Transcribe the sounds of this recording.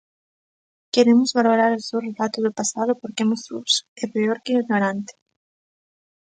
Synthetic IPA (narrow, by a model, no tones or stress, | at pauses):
keɾemʊzβaloɾaɾosewrelat̪ʊzðʊpasaðʊpoɾkemosuβsɛpeoɾkɪonoɾant̪ɪ̥